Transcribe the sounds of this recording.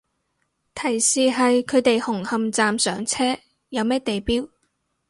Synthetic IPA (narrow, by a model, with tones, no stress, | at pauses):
t̪ʰɐ˨˩jsiː˨ɦɐ˨jkʰɵ˨˧ɥt̪e˨jhʊ˨˩ŋhɐ˨mt͡saː˨msœː˨˥ŋt͡sʰɛː˥ | jɐ˨˧wmɛː˥t̪e˨jpiː˥w